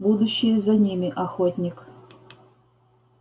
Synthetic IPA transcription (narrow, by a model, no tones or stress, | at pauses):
bud̪uɕːɪjəzɐnʲimʲɪʔɐxot̪ʲnʲik